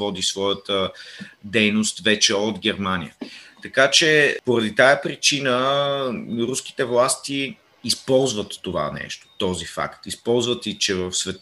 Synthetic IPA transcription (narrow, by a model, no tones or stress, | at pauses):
ɔd̪isvɔjət̪əd̪ɛjnost̪vɛt͡ʃɛod̪ɡʲɛɾmanḭət̪ɐkat͡ʃɛpoɾɐd̪it̪ajəpɾit͡ʃinə | ɾusk̟i̥t̪ɛvlˠast̪iː | spɔlˠzvət̪ːova̰nɛ̰ʃt̪o̥t̪ɔzifa̰kt̪ispɔlˠzvət̪it͡ʃɛvəfsvɛt̪